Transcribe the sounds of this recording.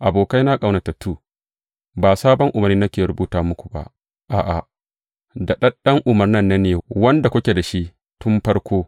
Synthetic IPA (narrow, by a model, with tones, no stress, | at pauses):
ʔa˨boː˨ka˦jna˦kʼa˨wna˨ta˨tuː˦˨ | baː˨saː˦bɔ˦ŋʔʊ˨mɐ˨niː˦nɐ˦kʲeː˨ɾʊ˦buː˦taː˦mʊ˦kʷu̥˨ba̰˨ʔ | ʔaː˨ʔa˨ | da˨ɗɐ˦ɗɐ˦ŋʔʊ˨mɐ˨rnɐ˦nːɐ˦nːeː˨wɐ˦nda˨kʷʊ˦kʲe˨da˨ʃi˦ʔ | tʊ˦mɸɐ˦ɽkʷʰoː˦